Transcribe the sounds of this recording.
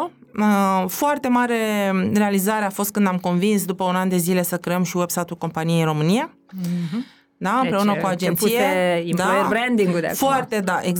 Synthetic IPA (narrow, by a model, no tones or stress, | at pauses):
əfoart̪e̞maɾe̞re̞alizaɾe̞afo̞st̪̚kɨnd̪amko̞nvinsd̪upəunand̪e̞zile̞səkɾe̞əmʃiwebsat̪ulko̞mpanijeiɾo̞mɨnija | d̪aɨmpɾe̞unəkuad͡ʒent̪sieeid̪ajbɾend̪iŋɡud̪̰foart̪ed̪aʔeɡ